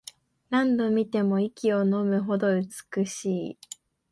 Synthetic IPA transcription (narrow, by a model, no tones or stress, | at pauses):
ɾãnd̪o̞mʲit̪e̞mo̞ikʲio̞no̞mɯ̟ɦo̞d̪o̞ɯ̟t͡sɨ̥kɯ̟ɕiː